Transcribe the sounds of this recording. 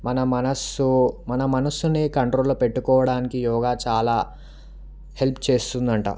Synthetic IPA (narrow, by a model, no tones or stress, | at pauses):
mɐnɐmɐnɐsumɐnɐmɐnɐsːuneːkɐɳʈɾoːlupe̞ʈːukɔːʋɐɽaːnikijɔːɡaːt͡ʃaːlaː | he̞lpʰt͡ʃe̞ːst̪und̪ɐɳʈa̰